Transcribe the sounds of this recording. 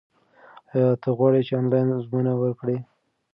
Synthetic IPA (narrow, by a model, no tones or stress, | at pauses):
jɑt̪əɣwɑɽit͡ʃeɑnlɑjnzmunawəɾkɽi